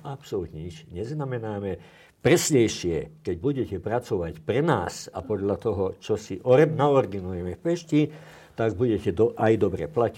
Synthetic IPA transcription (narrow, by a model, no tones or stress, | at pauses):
apsɔlut̪ɲɛit͡ʃɲɛznamɛnaːmɛ | pɾɛsɲɛjʃɪɛkɛɟbuɟɛcɛpɾat͡sɔʋacpɾɛna̰ːsapɔd̪ʎat̪ɔɦɔt͡ʃɔsiʔɔnaɔɾd̪inujɛmɛfpɛʃci | t̪aɡbuɟɛcɛd̪ɔʔajd̪ɔbɾɛ̰placi